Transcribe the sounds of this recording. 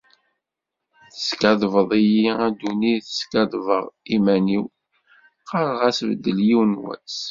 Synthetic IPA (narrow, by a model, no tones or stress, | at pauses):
θə̥skɑðvəðˤijiæd̪uniθə̥skɑðˤvəʁˤimæniw | qɑɾˤʁæsvəd̪ːəljiwnwæ̰t͡s